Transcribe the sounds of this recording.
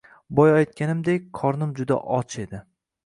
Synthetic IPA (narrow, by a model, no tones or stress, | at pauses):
bɒjɒjt̪̚kʲanɪmd̪ek̚ʲqʰɒɾnɪmd͡ʒʊd̪a̰ʔɒt͡ʃʰe̞d̪ɪ